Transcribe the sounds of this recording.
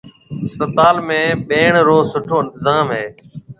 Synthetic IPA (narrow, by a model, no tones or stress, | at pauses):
ɪspət̪aːlmẽːɓeːɳɾoːsʊʈʰoːɪ̃nt̪ɪzaːmɦeː